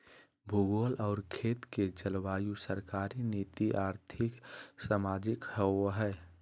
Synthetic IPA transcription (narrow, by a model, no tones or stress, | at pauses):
bʱuɡolʔɔːɾkʰeːt̪ked͡ʒəlʋaːjusəɾkaːɾinit̪iʔaːɾt̪ʰɪksaːmaːd͡ʒɪkhɛwɦɛ